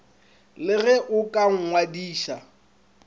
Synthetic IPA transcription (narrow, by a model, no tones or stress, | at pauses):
lɪɣɛʔʊkʼaŋ̩ŋwadiːʃa